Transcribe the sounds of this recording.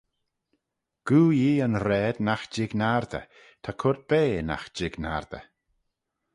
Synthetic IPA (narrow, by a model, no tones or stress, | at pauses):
ɡ̥uːjiːənɾɛːd̪naxd͡ʒɪɡnaɾd̪ə̰ | t̪ʰakʰʊɾt̪̚b̥eːna̰xd͡ʒɪɡna̰ɾd̪̥ə̰